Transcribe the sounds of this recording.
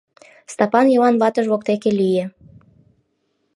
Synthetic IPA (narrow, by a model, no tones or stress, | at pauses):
st̪ɑpɑnjɤwɑnβɑt̪əʒβok̚t̪ekelije